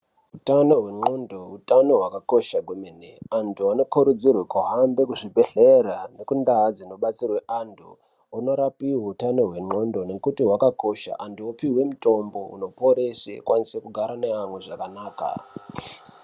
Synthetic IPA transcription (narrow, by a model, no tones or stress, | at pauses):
utano̞ɦwe̞ŋ͡ǃo̞ndo̞utano̞ɦwakako̞ʃaɡʱwemeneantʰuano̞koɾud͡zirwekoɦambe̞kuʐibʱe̞ɬerane̞kundaad͡zinoɓat͡sirwe̞ʔantʰu | ono̞ɾapiwoutano̞ɦwe̞ŋ͡ǃo̞ndo̞ne̞kutiɦwakako̞ʃa̰ʔantuopiɦwe̞muto̞mbo̞ṵno̞po̞ɾesekwanisekuɡʱaɾane̞amwe̞ʐakanaːka̰